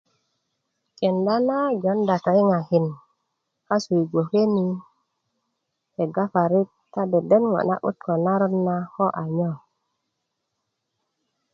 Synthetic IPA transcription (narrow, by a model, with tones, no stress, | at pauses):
ke˨nda˦na˦d͡ʒo˨˦nda˨ka˨i˦ŋa˨hi˨n | ka˦su˨i˨ɡo˨ke˦ni˨ | he˨ɡa˦fa˨ɾi˦tːa˦de˨de˦nwo̰˨na̰˦ʔṵ˦t̪ko˨na˦ɾu˦nːa˦ho˦ʔa˨ɲo˦˨